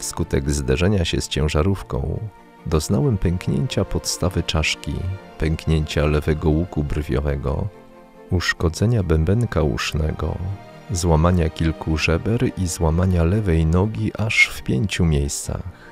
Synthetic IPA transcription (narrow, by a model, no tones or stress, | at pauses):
fskut̪ɛɡzd̪ɛʐɛɲaɕɛst͡ɕɛ̃w̃ʐaɾufkɔ̰̃w̃ | d̪ɔznawɛmpʲɛŋkɲeɲt͡ɕapɔt̪st̪avɘt͡ʂaʂkʲḭpɛŋkɲeɲt͡ɕalɛvɛɡɔwukubrvʲjɔ̰vɛɡɔ̰ | uʂkɔd̪zɛɲabɛmbɛŋkaṵʂnɛɡɔ̰ | zwamaɲakʲilkʰuʐɛbɛɾizwamaɲalɛvɛjnɔɡʲiʔaʂfpʲjeɲt͡ɕumʲjejst̪sa̰x